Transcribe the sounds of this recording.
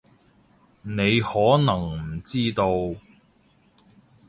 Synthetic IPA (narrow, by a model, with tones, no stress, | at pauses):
ne˨˧jhɔː˨˥nɐ˨˩ŋm̩˨˩t͡siː˥t̪o˧w